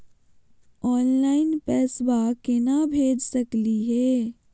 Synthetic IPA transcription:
ɔːnlaːɪnpɛːsbakenabʱeːd͡ʒsɐkliɦɛː

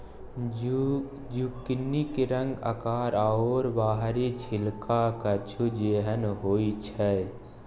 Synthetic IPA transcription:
d͡ʒukɪnikeɾə̃ŋɡə̰kaːɾaoːɾbaːɦɾit͡ʃʰɪlkʰakət͡ʃʰud͡ʒeːɦənɦoːit͡ʃʰɛ

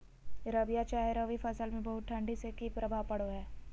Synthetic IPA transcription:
ɾɐbijat͡ʃaːɦɪɾoʋifʰɐsəlmẽbɐɦʊt̪̚ʈʰɐ̃ɳɖisekipɾɐbʱaːpɐɽoɦɛː

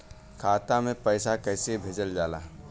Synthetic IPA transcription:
kʰaːt̪amẽpəɪsakəːsebʱeːd͡ʒəld͡ʒaːlaː

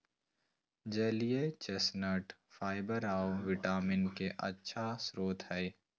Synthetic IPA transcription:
d͡ʒəlijet͡ʃesnəʈfaːɪbəɾaːoʋɪʈaːmɪnkeʔɐ̰tːʃʰasɾoːt̪ɦɛː

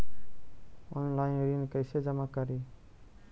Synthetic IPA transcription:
ʊnənlaːĩɾiːnkəɪseːd͡ʒəmaːkəɾiː

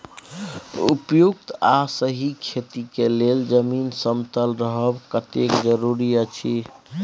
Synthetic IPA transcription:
ṵpjuk̚t̪asəɦikʰet̪ikeleld͡ʒəminsəmt̪əlɾəɦəbkət̪ekd͡ʒəɾuɾijət͡ʃʰi

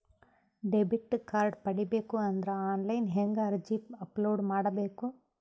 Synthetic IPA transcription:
ɖɛbiʈːkaːɾɖpɐɽibeːkuɐnd̪ɐɾɐaːnlɐjnɦeŋɡɐɐɾd͡ʒiːpɐploːɖmaːɽɐbeːku

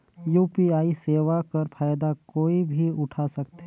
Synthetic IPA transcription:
juːpiaːiseːʋakɐɾfʰaːjd̪akoːibʱiʊʈʰasɐkt̪ɛ

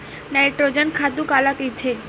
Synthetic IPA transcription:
najʈɾod͡ʒənkʰat̪ukalakid̪ʰʱe

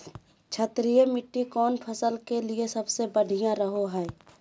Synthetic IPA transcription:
t͡ʃʰət̪ɾijemɪʈːikɔːnpʰəsəlkeliesɐbsebəɖʱijãɾəɦoɦɛː

